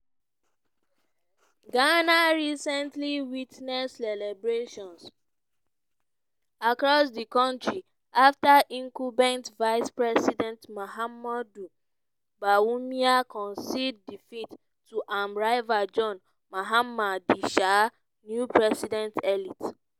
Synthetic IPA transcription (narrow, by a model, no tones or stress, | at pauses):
ɡanaɹisɛ̃ntliwitnɛssɛlɛbɹeʃɔ̃ns | akɹɔsdikɔ̃ntɹi | aftaʔĩŋkubɛ̃ntvaɪspɹɛsidɛ̃ntmohamɔdu | bawumiakɔ̃nsid̚ːifitː | uʔãmɹaɪvad͡ʒɔ̃n | maɦamːadiʃa | njupɹɛsidɛ̃ntɛlit